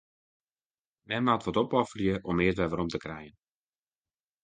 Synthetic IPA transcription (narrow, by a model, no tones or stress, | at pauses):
mɛnmatʋɔtɔpɔfərjəʔɔmɪːətʋɛʋəɾɔmtəkrɛjən